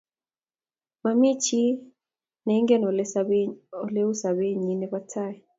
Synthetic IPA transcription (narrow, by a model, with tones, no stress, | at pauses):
ma˨mi˦t͡ʃi˦ | nɛ˨˦ŋɡɛ˦nɔ˨ | ɔ˨le˦u˦sa˨βe˦ɲi˨˦nɛ˦βa˦tʰa˦˨jɛ˨